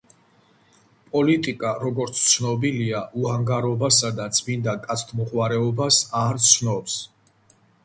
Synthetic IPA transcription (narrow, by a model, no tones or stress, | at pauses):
pʼɔlit̪ʼikʼaɾɔɡɔɾt̪sʰt̪sʰnɔbiliaʔuaŋɡaɾɔbasad̪adt̪sʼbind̪akʼat̪sʰt̪ʰmɔʁʼwaɾɛɔbasaɾt̪sʰnɔps